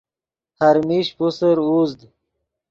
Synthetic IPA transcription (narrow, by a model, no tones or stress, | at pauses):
haɾmiɕpusəɾuzd̪